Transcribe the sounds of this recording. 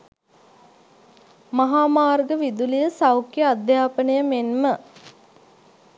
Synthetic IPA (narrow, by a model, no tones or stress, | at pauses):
maɦaːmaːrɡəʋid̪ulijəsawkjəad̪jaːpənəjəmenmə